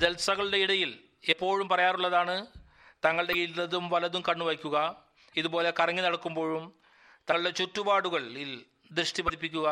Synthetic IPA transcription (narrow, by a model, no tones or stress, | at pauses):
d̪e̞lsɐɣɐɭɽe̞iɽɐjil | epːo̞ːɻumpɐrɐjaːruɭːɐðaːɳɨ | t̪ɐŋːɐɭɽe̞it̪ːɐðumʋɐlɐðumkɐɳːuʋɐjkʲːuɣɐ | iðubo̞ːle̞kɐrɐŋːinɐɽɐkːumbo̞ːɻum | t̪ɐɐɭɽe̞t͡ɕutːubaːɽuɣɐɭil | d̪rɨʂʈipɐðipːikʲːuɣɐ